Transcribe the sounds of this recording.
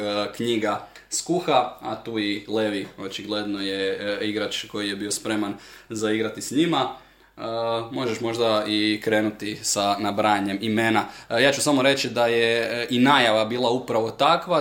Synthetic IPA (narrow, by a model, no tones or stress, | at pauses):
kɲiɡaskuxaa̰t̪uːileʋio̞t͡ʃiɡle̞d̪nojeiɡɾat͡ʃko̞jijebiospɾemanzaiɡɾat̪isɲima | mo̞ʒeʃmo̞ʒd̪aikɾe̞ːnut̪isanabɾaɲe̞mimenajaːt͡ʃusamo̞ɾe̞t͡ʃid̪ajeinaːjaʋabiːlˠaupɾaʋo̞t̪akʋa